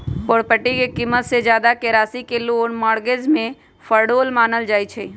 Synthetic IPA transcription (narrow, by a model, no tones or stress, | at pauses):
poɽpəʈːikekimːət̪sed͡ʒjaːd̪akeɾaːsikeloːnmaːɽɡezmẽ | fʰəɾɖoːlmaːnəld͡ʒaːit͡ʃʰɛ